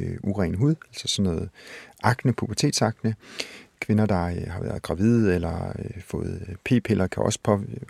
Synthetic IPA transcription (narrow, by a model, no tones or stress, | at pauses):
uʁɛːnɦuð̰ˠælsɐ̥sɒ̽nːɔ̽ːð̩ˠʔɑ̈ɡ̥nəpʰub̥ʰɐt͡sʰe̝̰ːd̥sɑ̈ɡ̥nəkʰʋe̝nɐd̥ɑ̈hɑ̈ʋæːɐð̞̩ˠɡ̥ʁɑ̈ʋið̞ˠelɐøfɔ̰̽ːð̩ˠpʰe̝̰ːpʰelɐkʰæʔɒ̽sə̥pʰɒ